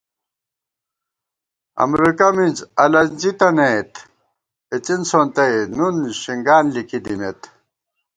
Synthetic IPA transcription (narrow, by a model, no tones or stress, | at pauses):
ɐ̰mɾikɐmind͡ʑɐlɐnd͡ʑit̪ɐnet̪ | et͡sinsont̪ɐjnunɕiŋɡaːnlikid̪imḛt̪